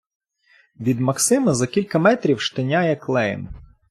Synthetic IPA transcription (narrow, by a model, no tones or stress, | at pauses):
ʋʲid̪mɐksɪmɐzɐkʲilʲkɐmɛt̪ɾʲiwʃt̪ɐnʲajɛklˠɛj̰n